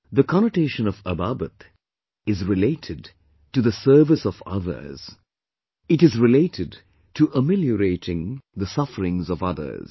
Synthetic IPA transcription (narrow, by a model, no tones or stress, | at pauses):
ðəkʰɑñəʈeɪʃə̃nʌvəbabət̪ | ɨzɹɪleɪɾʰɨd | tɨðəsɜ˞vɨsʌvʌ̰ðə̰˞z̥ | ɨɾɨzɹɪleɪɾʰɨd̚ | tʰɨʔəmɪljəɾeɪɾɪ̃ŋðəsʌfəɹɪ̃ŋzʌvʌðə̰˞z̥